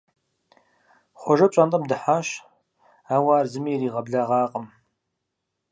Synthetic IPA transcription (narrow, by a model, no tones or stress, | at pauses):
χʷɔʒɐt͡ʃʼantʼɐmdɨħaːʃ | aːwaːrzɨmiːɾiːʁɐbɮaːʁɑːqʼəm